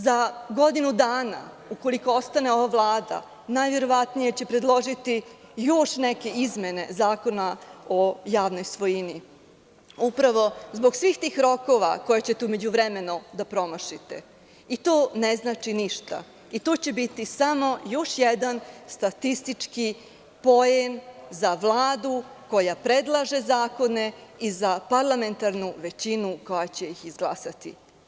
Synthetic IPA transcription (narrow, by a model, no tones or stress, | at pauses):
zaɡo̞d̪inud̪aːna̰ | uko̞liko̞o̞st̪ane̞o̞ʋaʋlˠaːd̪a̰ | naːjʋe̞ɾo̞ʋat̪nije̞t͡ɕepɾe̞d̪lˠo̞ʒit̪ijo̞ʃneke̞izmjene̞̰zaːko̞nao̞jaːʋno̞jsʋo̞jini | upɾaʋo̞zbo̞ɡsʋiːxt̪iːxɾo̞ko̞ʋa̰ko̞jet͡ɕet̪ume̞d͡ʑuʋɾeme̞nod̪apɾo̞moʃit̪e | it̪oːneznaːt͡ʃiniʃt̪a̰ | it̪ot͡ɕe̞bit̪isamo̞jo̞ʃjed̪anst̪at̪ist̪it͡ʂki | po̞jenzaʋlˠaːd̪uko̞japɾed̪lˠaʒe̞zaːko̞neizapaɾlˠame̞nt̪aɾnuʋe̞t͡ɕinuko̞jat͡ɕe̞jixizɡlˠasat̪ḭ